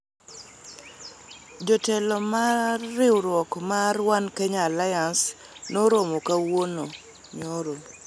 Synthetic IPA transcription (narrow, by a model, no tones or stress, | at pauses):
d͡ʒɔtɛlɔmaːɪwɾwɔkmarwankɛɲalajans | noɾomokawono | ɲoɾo